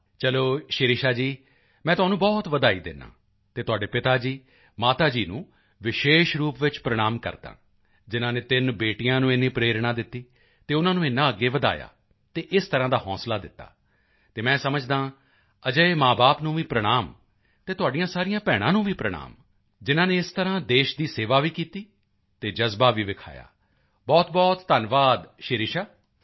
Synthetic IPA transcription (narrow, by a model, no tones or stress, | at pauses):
t͡ʃəloːʃɪɾɪʃaːd͡ʒiː | mɛ̃ːt̪ʊɦaːnũːbɔːt̪ʋəd̪aːḭːd̪ɪ̰nːã̰ː | t̪eːt̪ʊaːɖeːpɪt̪aːd͡ʒiː | maːt̪aːd͡ʒiːnũː | ʋɪʃeːʃɾuːpʋɪt͡ʃpɾəɽ̃aːmkə̰ɾd̪ã̰ː | d͡ʒɪnãːneːt̪ɪnbeːʈijãːnũːɪnːĩːpɾeːɾɳãːd̪ɪt̪ːiː | t̪eːʊnãːnũːɪnːãːəɡːeːʋəd̪a̰ːja̰ː | t̪eːʔɪst̪əɾãːd̪aːhɔ̰̃ːslaːd̪ɪt̪ːa̰ː | t̪eːmɛ̃ːsəməd͡ʒd̪ãː | əd͡ʒəemãːbaːpnũːʋiːpɾəɽ̃aːm | t̪eːt̪ʊaːɖijãːsaːɾɪjãːpɛːɽ̃ãːnũːʋiːpɾəɽ̃a̰ːm | d͡ʒɪnãːneːɪst̪əɾãːd̪eːʃd̪iːseːʋaːʋiːkiːt̪iː | t̪eːd͡ʒəzbaːʋiːʋɪkʰa̰ːja̰ː | bɔːt̪bɔːt̪ːənʋaːd̪ʃeːɾɪʃaː